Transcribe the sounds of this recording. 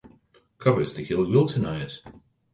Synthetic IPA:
kʰʌvəz̥tʰɨkʰɪlˠwɪlˠtʰənaɪɪt

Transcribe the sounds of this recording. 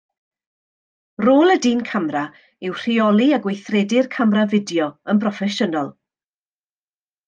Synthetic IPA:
roːlˠədiːnkʰamra | ɪwr̥iɔlˠiaɡwejθrɛdɪrkʰamravɪdjɔənpʰrɔfɛʃənɔlˠ

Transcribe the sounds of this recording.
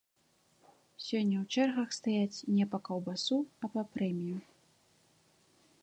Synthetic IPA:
sʲɔnʲːɐwt͡ʂɛrɣɐxst̪ajat͡sʲnʲɛpɐkɐwbasuɐpɐpɾɛmʲiju

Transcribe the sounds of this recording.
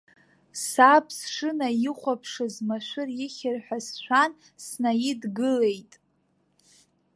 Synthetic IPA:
sapʰsʂɨnajiχʷapʰʂɨzmaʃʷʊrjɪχʲɪrħʷᶣasʃʷᶣan | snajɪdɡɨlejtʼ

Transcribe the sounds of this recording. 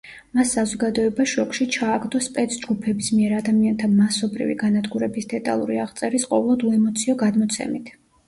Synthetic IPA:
masːazɔɡad̪ɔɛbaʃɔkʼʃit͡ʃʰaːɡd̪ɔspʼɛt̪sʰd͡ʒɡupʰɛbismiɛɾad̪amiant̪ʰamasɔbɾḭvḭɡanad̪ɡuɾɛbisd̪̥ɛt̪ʼa̰lˠṵɾiaʁt̪sʼɛɾisqʼɔvlˠɔd̪uɛmɔt̪sʰiɔɡad̪mɔt̪sʰɛ̰mit̪ʰ

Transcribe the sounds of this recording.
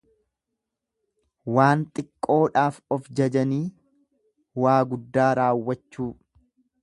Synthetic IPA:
waːnt̪ʼɪkʼːo̞ːᶑaːfɔfd͡ʒɐd͡ʒɐniː | waːɡʊd̪ːaːɾaːwːɐt͡ʃːuː

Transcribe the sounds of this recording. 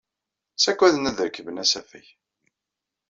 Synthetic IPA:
sækʷːæðnæðəɾkːəvənæsæfæ̰j

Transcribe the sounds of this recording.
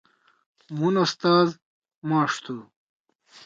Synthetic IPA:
munɐst̪aːz | maːʂt̪ʰu

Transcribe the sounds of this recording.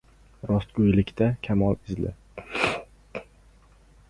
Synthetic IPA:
ɾɒst̪̚ɡojlɪkʲt̪ʰakʲʰamɒlˠɪzlɪ̰

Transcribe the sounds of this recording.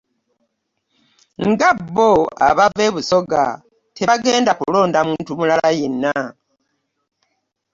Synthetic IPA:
ŋɡabːoa̰βave̞βuso̞ɡa̰ | tʰeβaɡe̞ːndakulo̞ːndamuːntumulalajenːa

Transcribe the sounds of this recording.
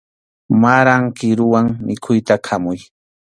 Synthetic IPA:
maɾaŋkɪɾʊwaŋmɪkʰʊjt̪akʰamʊj

